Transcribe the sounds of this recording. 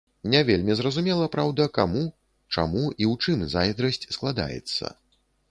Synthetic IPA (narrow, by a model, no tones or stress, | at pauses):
nʲɛvʲelʲmʲizrɐzumʲɛlˠɐpɾawd̪ɐkamu | t͡ʂa̰muʔiwt͡ʂɨmzajd̪ɾɐsʲt͡sʲsklˠad̪a̰jɛ̰t̪sːɐ̰